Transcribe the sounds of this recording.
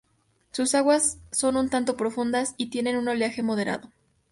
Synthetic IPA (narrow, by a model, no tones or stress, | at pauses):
susaɣwasːo̞nunt̪ant̪o̞pɾo̞fund̪asit̪je̞ne̞nunaljaxe̞mo̞ð̞e̞ɾa̰ðo̞